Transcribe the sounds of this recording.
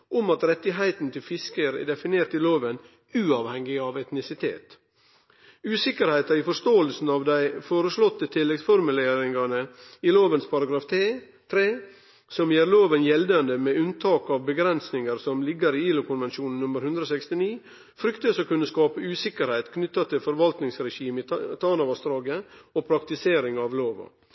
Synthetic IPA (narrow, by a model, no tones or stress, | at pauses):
ʔɔmɑt̪ɾɛt̪ːɪɦæɪt̪n̩t̪ʰɪlfɪskəɾɛ̰ːd̪ɛfɪneːɾʈ̪ɪloːʋən | ʉːɑːʋhɛŋːɪɑʋɛt̪nɪsɪt̪ʰḛːt̪ | ʉːsɪkəɾhæɪt̪ɑifɔʂt̪oːəlsn̩ɑʋd̪æɪfoːɾəslɔt̪ːət̪ʰɪlːɛɡsfɔɾmʉleːɾɪŋɑnəiloːʋənspʰɑɾɑɡɾɑːft̪ʰeː | t̪ʰɾeː | sɔmjeːɾloːʋənjɛld̪ɑnd̪əmɛʉnt̪ʰɑːkɑʋbəɡɾɛnsnɪŋəɾsɔmlɪɡːəɾiːiːlʊkʰʊnʋɛnʃuːnn̩nʊməɾhʉnd̪ɾəoːsɛkst̪ɪniː | fɾʏkt̪əsɔkʉnːəskɑːpəʉːsɪkəɾhæɪt̪kʰnʏt̪ːɑt̪ʰɪlfɔɾʋɑlt̪nɪŋsɾɛʃiːmt̪ʰɑːnɑʋɑst̪ɾɑːɡəopʰɾɑkt̪ɪseːɾɪŋɑʋloːʋɑ̰